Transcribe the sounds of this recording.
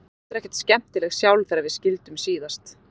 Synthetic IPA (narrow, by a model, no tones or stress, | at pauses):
t̪ɪɾɛhcɛ̥t̪scɛm̥t̪ɪlɛɣsjawlθɛɾaɾvɪðscɪlt̪ʏmsiːðast̪